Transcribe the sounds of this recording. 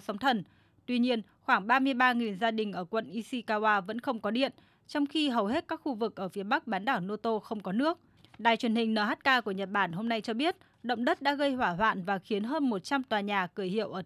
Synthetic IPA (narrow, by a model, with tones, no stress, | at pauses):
sa˨˦wŋ͡mt̪ʰə˨˩n | t̪wi˧ɲi˧ən | xwaː˧˩ŋɓaː˧mɨ˧əjɓaː˧ŋi˨˩nzaː˧ɗï˨˩ŋ̟ʔəː˧˩kwə̰˧˨nʔi˧si˧kaː˧waː˧və̰˧˥nxə˧wŋ͡mkɔ˨˦ɗḭ˧˨ən | t͡ɕɔ˧wŋ͡mxi˧ɦə˨˩whe˦˥t̚kaː˦˥k̚xu˧vɨ˨˩k̚ʔəː˧˩fi˨˦ɓa˦˥k̚ɓaː˨˦nɗaː˧˩wno˧t̪o˧xə˧wŋ͡mkɔ˨˦nɨ˦˥ək̚ | ɗaː˨˩jt͡ɕwə˨˩ənhï˨˩ŋ̟nəː˨˩haː˦˥t̚kaː˧ku˧˩əɲə˨˩t̚ɓaː˧˩nho˧mna˧jt͡ɕɔ˧ɓi˦˥ət̚ | ɗə̰˧˨wŋ͡mɗə˦˥t̚ɗa̰ː˧˥ɣə˧jhwaː˧˩ɦwa̰ː˧˨nvaː˨˩xi˨˦ənɦəː˧nmo˨˩t̚t͡ɕa˧mt̪waː˨˩ɲaː˨˩kɨː˧˩jhḭ˧˨əwʔəː˧˩